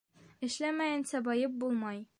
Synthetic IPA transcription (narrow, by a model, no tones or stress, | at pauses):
ɘ̆ʃlæmæjæ̆nsæbɒjɤp̚bulˠmɑj